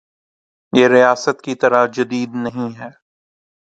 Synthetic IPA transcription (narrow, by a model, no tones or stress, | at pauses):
jeːɾijaːsət̪kit̪ɐɾad͡ʒɐd̪iːd̪nɐɦĩɦɛː